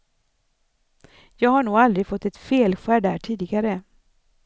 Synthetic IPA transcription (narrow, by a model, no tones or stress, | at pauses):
jɑːɡhaɳuːɡald̪ɾɪɡfɔt̪ːɛt̪feːlɧæːɖæːʈʰiːd̪ɪɡaɾə